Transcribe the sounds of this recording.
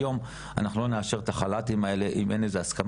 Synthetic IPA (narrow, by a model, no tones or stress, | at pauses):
jo̞m | a̰naχulo̞neaʃe̞ʁet̪aχalatimae̞le̞ʔimʔe̞nezeaskam